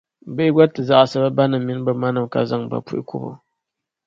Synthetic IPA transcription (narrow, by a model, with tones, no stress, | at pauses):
bɨ˦i˦ɡʷa˦tːɨ˨za˨ʔa˨sa˦ba˦ba˦nɨ˨mːi˦n˦bɨ˨ma˦nɨ˨mka̰˦za˦˨ŋba̰˨pṵ˦ʔḭ˦kṵ˦bo̰˨